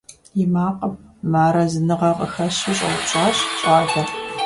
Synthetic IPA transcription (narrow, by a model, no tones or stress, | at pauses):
jɪmaːqʼɐp̚maːɾɐzɨnɨʁɐqʼə̰xɐɕiɕʼɐ̰wt͡ʃʼaːɕɕʼaːɮɐ